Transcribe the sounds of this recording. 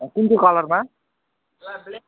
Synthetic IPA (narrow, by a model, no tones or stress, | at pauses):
kint̪ʰokʌlʌrma